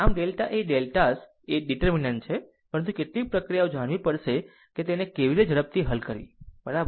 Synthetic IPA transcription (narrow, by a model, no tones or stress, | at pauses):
amɖelʈaʔeɖelʈas | eɖiʈəɾminəɳt͡ʃʰe | pəɾənt̪ukeʈlik̚pɾəkɾijaod͡ʒaɽʋipəɾʃe | ket̪enekeʋiɾed͡ʒəɾəp̚t̪ʰiɦəlkəɾḭbəɾabə